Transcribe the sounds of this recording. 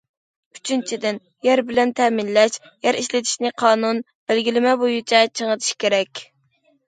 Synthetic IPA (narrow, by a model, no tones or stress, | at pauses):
y̥t͡ʃʰynt͡ʃʰid̪ɪn | jæɾbɪlɛnt̪ʰɛmɪnlɛʃ | jɛɾiʃlɪt̪ʰi̥ʃnɪqʰɑːnun | b̥ælɡʲilɪmɛbojut͡ʃʰɛt͡ʃʰəŋət̪ʰi̥ʃkʲeɾɛkʲ